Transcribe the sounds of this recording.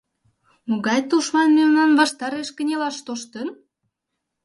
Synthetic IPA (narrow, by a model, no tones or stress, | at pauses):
moɣɑjt̪uʃmɑnmemnɑnvɑʃt̪ɑɾeʃkə̆nʲelɑʃt̪oʃt̪ə̆n